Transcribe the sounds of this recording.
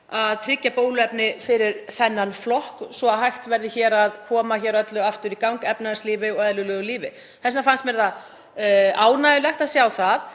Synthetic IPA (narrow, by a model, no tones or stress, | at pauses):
aðt̪ʰɾɪcːapoːwlʏɛpnɪfɪɾɪɾ̥θɛnːanflɔhksɔhajht̪vɛɾðɪçɛːɾaðkʰɔːmaçɛːɾœt̪lʏaft̪ʏɾikawŋkɛpnasliːvɪɔɣɛðlʏlœːɣʏliːvɪ | θɛsːafanst̪mɛɾða | aːwnajʏlɛxt̪aðsjaːwθað